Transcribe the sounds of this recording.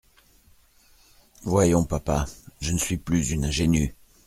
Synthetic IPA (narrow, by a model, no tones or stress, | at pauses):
vwajɔ̃papaʒənəsɥiplyzynɛ̃ʒeny